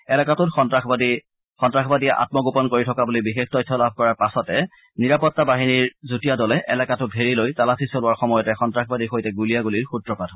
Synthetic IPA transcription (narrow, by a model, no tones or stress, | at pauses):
ɛlɛkatʊtxɔntɹaxbadi | xɔntɹaxbadiɛʔa̰t̚mɔɡupɔnkoɹitʰɔkabulibixextɔjtʰːɔlab̚ʱkɔɹaɹpasɔtɛ | niɹapɔtːabaɦiniɹzutijadɔlɛʔɛ̰lakatʊt̚bʱeɹilojtalasisɔlʊaɹxɔmɔjɔtɛxɔntɹaxbadixojtɛɡulijaɡuliɹxutɹɔpatʰɔ